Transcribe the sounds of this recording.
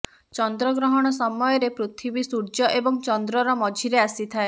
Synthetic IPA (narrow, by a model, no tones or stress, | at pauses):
t͡ʃɔnd̪ɾɔɡɾɔɦɔɽ̃ɔsɔmɔjɔɾepɾut̪ʰibisuɾd͡ʒɔʔebɔŋt͡ʃɔnd̪ɾɔɾɔmɔd͡ʒʱiɾeasit̪ʰae